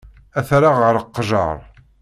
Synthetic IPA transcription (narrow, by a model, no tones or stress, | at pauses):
æθɾaʁəɾˤəqːʒɑ̰ɾˤ